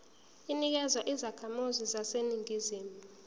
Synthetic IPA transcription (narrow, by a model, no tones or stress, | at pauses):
inik̬ɛzwaʔizakʰamuzizaseniŋiziːmu